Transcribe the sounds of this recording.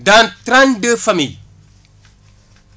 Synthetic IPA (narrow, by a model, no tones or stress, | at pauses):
dantɾandəfami